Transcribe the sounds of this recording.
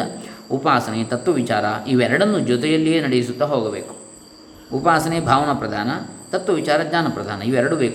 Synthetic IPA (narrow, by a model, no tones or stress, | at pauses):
ɐupaːsɐnet̪ɐt̪ːʋɐʋit͡ʃaːɾɐiʋɛɾɐɽɐnːud͡ʒɔt̪̬ɛjɐlːijeːnɐɽejisut̪ːɐɦoːɡɐbḛːku̥ | upaːsɐnebʱaːʋɐnɐpɾɐd̪ʱaːnɐt̪ɐt̪ʋɐʋit͡ʃaːɾɐd͡ʒɲaːnɐpɾɐd̪ʱaːnɐiʋɛɾɐɽubeːk